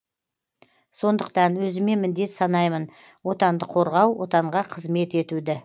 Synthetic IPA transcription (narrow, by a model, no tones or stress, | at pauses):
so̞nd̪əqt̪ɑnwɵzɪme̞mɪnd̪e̞t̪sɑnɑjmən | wo̞t̪ɑnd̪əqʰo̞ɾʁɑwwo̞̰t̪ɑɴʁɑqʰəzme̞t̪e̞t̪ud̪ɪ